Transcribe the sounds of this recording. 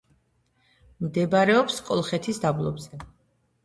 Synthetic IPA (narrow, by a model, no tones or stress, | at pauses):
md̪ɛbaɾɛɔpskʼɔlˠχɛt̪ʰisd̪ablˠɔbzɛ